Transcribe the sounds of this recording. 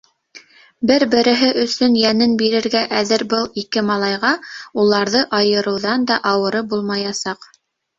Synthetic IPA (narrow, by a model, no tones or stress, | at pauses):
bɘɾbɘ̆ɾɘ̆ɦɘʔɵ̆sɵnjænɘnbiɾɘ̆ɾɡæʔæðɘɾbɤlˠikɘmɑlˠɑjʁɑulˠɑɾðɤʔɑjɤ̆ɾɤ̆wðɑnd̪ɑʔɑwɤ̆ɾɤbulˠmɑjɑsɑq